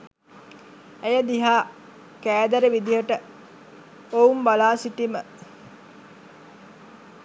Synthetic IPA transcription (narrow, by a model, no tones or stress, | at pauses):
æjəd̪iɦaː | kæːd̪əɾeʋid̪ijəʈə | oumbalaːsiʈimə